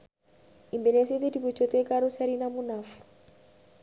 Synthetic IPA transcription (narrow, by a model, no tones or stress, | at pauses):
imbɛnesetedibut͡ʃɔtekaɾʊsaɾinamʊnafu̥